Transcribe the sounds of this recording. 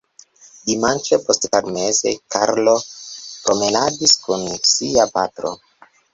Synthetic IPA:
dimant͡ʃepo̞stpaɾme̞ze̞̰kʰaɾlo̞pɾo̞me̞nad͡ʒiskunsiapatɾo̰

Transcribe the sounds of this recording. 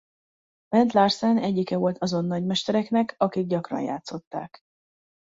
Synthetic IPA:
b̥ɛnt̪laːrsanɛɟːikɛvo̞lt̪ʰɒzo̞nːɒɟmɛʃt̪ɛɾɛknɛkʰɒkiɡ̚ɟɒkrɒ̰nja̰ːt̪so̞t̪ːa̰ːk

